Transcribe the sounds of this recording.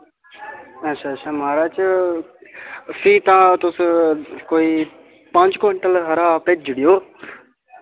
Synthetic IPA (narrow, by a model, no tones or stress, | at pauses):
əʃʰaːt͡ʃʰʃʰaːmaːɾaːt͡ʃ | siːt̪ãt̪ʊskoːiː | pãːɲd͡ʒkəɳʈəlɦɐɾaːped͡ʒəɽijoː